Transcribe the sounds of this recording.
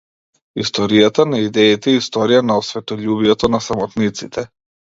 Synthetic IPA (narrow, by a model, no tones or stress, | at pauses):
ist̪ɔɾijat̪anaid̪ɛit̪ɛist̪ɔɾijanaɔsvɛt̪ɔʎubijɛt̪ɔnasamɔt̪nit̪sit̪ʰɛ